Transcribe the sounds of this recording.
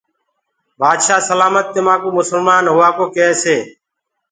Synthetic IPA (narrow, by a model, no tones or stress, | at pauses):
baːd̪ʃaːsəlaːmət̪ːeːmãːkoːmʊsəlmaːnɦʊʋaːkoːkeːseː